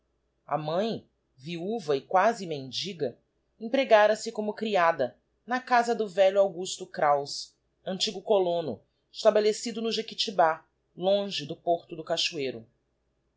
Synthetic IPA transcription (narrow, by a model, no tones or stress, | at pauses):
ɐ̰mɐ̃j̃ | viuvɐɪkwazɪmẽnd͡ʒiɡɐ | ẽpɾeɡaɾɐsɪkõmʊkɾiad̪ɐ | nɐkazɐd̪ʊvɛʎʊawɡuʃt̪ʊkɾaws | ɐ̃nt͡ʃiɡʊkolõnʊ̰ | ɪʃt̪abelesid̪ʊnʊʒekit͡ʃiba | lõʒɪd̪ʊpoɾt̪ʊd̪ʊkaʃuejɾʊ